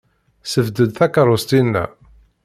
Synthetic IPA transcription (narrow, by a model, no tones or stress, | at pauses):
səvd̪əd̪θækəɾˤost̪inːæ̰